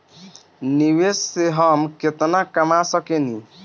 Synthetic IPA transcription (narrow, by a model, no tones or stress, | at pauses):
niwesːeɦəmket̪nakəmasəkeni